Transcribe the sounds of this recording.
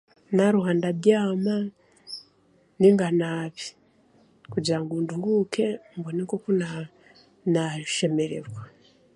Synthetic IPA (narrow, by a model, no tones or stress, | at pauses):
naɾuɦaːndaβjaːma | niŋɡanaːβi̥ | kuɟiɾaŋɡuːnduŋɡukʰe̞mboneŋkokuna | naʃe̞me̞ɾe̞̰ɾwa